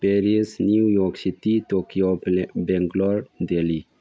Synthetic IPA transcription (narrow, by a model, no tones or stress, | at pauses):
peɾisniwjɔksit̪it̪okiobeŋɡlɔɾd̪eli